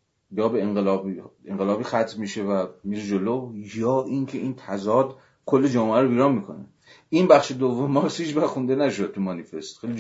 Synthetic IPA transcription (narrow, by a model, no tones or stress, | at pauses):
jɒːbeeŋɢelɒːbieŋɢelɒːbiːxæt̪ʰmiʃevæmiːɾed͡ʒolojɒːʔiːncʰeiːnt̪ʰæzɒːd̪ | kʰolːed͡ʒɒːmeæɾobiːɾɑːnmikʰo̞̰nḛ | ʔinbæxʃed̪ovːo̞mːɒɾshiːt͡ʃbæɾxund̪enæʃod̪̚t̪ʰumɒnife̞st̪χejli